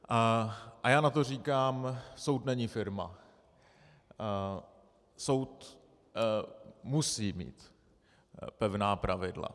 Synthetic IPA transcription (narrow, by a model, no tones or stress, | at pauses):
ʔʔajaːnat̪o̞r̝iːkaːmso̞wt̪nɛɲifɪɾma̰ | so̞wt̪ | musiːmḭːt̪ | pɛvnaːpɾavɪdla̰